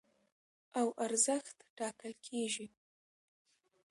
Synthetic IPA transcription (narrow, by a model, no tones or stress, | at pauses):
awʔaɾzəxt̪ʈɑːkəlkʲʰeːʒi